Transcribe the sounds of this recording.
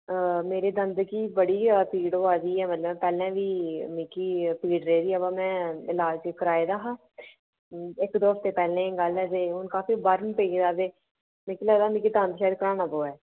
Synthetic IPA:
meːɾeːd̪ənd̪ɡiːbəɽiːapiːɖoːaːziːɛːmət̪ləbpɛːlɛ̃ːʋiːmĩːkiːpiːɖɾeiːd̪iːɛːbãːmɛ̃ːɪlaːd͡ʒkəɾaːed̪aːɦãː | ɪkd̪oːəft̪eːpɛːlẽːɡəlɦɛːd͡ʒ̪eːʊnkaːfiːbaɾənpeːɡed̪aːd̪eː | mĩːkilaːd̪aːmĩːkiːt̪ãːnd̪ʃaːd̪kəɾaːnaːpoːɛː

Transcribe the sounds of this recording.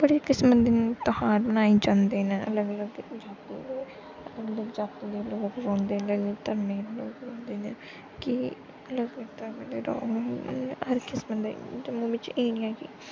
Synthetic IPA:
bəɽeːkɪsmət̪̚d̪ent̪ɔhaːɾbənaːed͡ʒãːnd̪eːnẽːələɡələɡd͡ʒaːt̪ḭːd̪eː | ələɡələɡd͡ʒaːt̪iːd̪eːloːkɾɔ̃ːnd̪eːləɡt̪əɾmẽːloːkɾɔ̃ːnd̪eːneː | kɪ | ələɡəɡt̪əɾmẽːd̪eːɾɔ̰ː | əɾkɪsmət̪d̪ḛd͡ʒəmũːʋɪt͡ʃeːnĩɛ̃ːkḭ

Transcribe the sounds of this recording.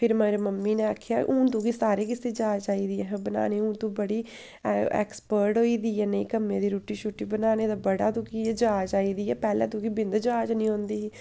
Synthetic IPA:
pʰɪɾməːɾeːməmːiːnẽːaːkʰːjaːʔũːt̪õːkiːsaːɾeːkɪseːd͡ʒaːd͡ʒaːiːd̪iːɛɦbəna̰ːneːũːt̪õːbəɽiː | ɛ̰ːkspəɾʈɦoːiːd̪iːɛːniːkəmːẽːd̪iːɾuːʈiːʃʰuʈːiːbənaːneːd̪abəɽaːt̪ũːkiːɛd͡ʒaːd͡ʒaːiːd̪iːɛːpɛːlɛ̰̃ːt̪õːkiːbɪ̃nd̪d͡ʒaːd͡ʒnĩːõːnd̪iː

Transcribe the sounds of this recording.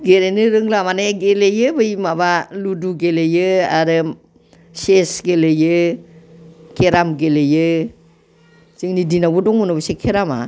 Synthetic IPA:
ɡeɾenɯɾɯŋlamaneɡelejɯbɯjmabaluduɡelejɯaɾɯ | sesɡelejɯ | kʰeɾamɡelejɯ | t͡ʃɯŋnidinabudɔŋmunabɯsekʰeɾama̰

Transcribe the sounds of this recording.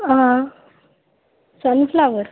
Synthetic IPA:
ɦã | sənflaʋəɾ

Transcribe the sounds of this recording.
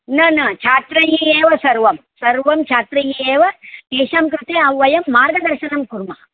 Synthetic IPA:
nɐnɐt͡ʃʰaːt̪ɾɐjieːʋɐsɐɾʋɐmsɐɾʋɐmt͡ʃʰaːt̪ɾɐjiːeːʋɐt̪eːʃaːmkɾut̪eːɐʋʋɐjɐmːaːɾɡɐd̪ɐɾʃɐnɐmkuɾmɐɦɐ

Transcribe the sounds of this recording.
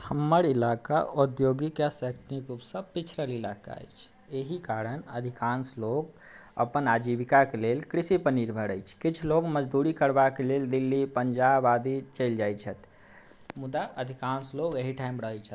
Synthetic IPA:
həmːəɾilaka̰ʔud̪joɡikasɛksnikɾupsə̃pit͡ʃʰɾəlilaka̰ə̰jt͡ʃʰ | eɦikaɾənə̰d̪ʱikanslok | ə̰pənad͡ʒibikakelelkɾisipəniɾbʱəɾəjt͡ʃʰkit͡ʃʰloɡməd͡ʒd̪uɾikəɾbakeleld̪ilːipənd͡ʒabad̪it͡ʃəɪld͡ʒajt͡ʃʰət̪ | mud̪aʔəd̪ʱikansloɡeɦiʈʰaimɾəɦət͡ʃʰət̪

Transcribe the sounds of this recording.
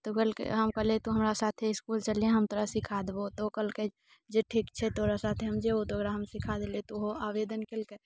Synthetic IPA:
t̪okəlkḛɦəmkəɦlet̪oɦəmɾasat̪ʰeɪskult͡ʃəleãɦəmt̪oːɾasikʰad̪ebot̪okəlke | d͡ʒeʈʰiːkt͡ʃʰɛt̪oɾasat̪ʰeɦəmd͡ʒebot̪oəɡɾaɦəmsikʰad̪elet̪oɦoaʋed̪ənkelke

